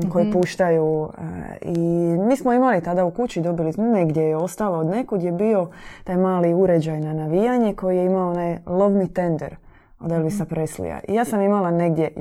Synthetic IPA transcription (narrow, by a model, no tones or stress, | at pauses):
ko̞jipuːʃt̪ajṵ | imiːsmoimalit̪ad̪aukut͡ɕid̪o̞bilineɡd̪ʲjejeo̞st̪alood̪ne̞kud̪jebio̞t̪ajmaːliuɾed͡ʑajnanaʋijaɲeko̞jijeimaoonajlˠo̞ʋnit̪e̞nd̪ḛɾ | o̰d̪elˠʋisapɾeslṵja̰ʔḭjaːsamimalane̞ɡd̪je